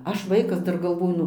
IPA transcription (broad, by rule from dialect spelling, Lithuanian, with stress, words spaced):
ˈɐʃ ˈʋɐɪkɐs ˈdɐr ɡɐlˠˈʋoːjʊ